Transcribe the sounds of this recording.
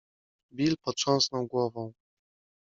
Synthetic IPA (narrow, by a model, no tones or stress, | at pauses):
bʲilpɔt̪ʂɔ̃w̃snɔwɡwɔvɔ̃w̃